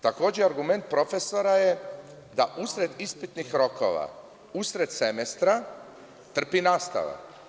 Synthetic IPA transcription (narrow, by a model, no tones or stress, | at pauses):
t̪ako̞ːd͡ʑeaɾɡume̞nt̪̚pɾo̞fe̞so̞ɾaje | d̪aʔusɾe̞d̪ispit̪nixɾo̞ko̞̰ʋa̰ | usɾe̞d̪semest̪ɾa | t̪r̩pinaːst̪a̰ʋa̰